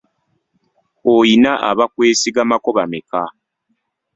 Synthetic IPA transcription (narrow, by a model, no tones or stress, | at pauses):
ojinaʔaβakwe̞ːsiɡamako̞βameka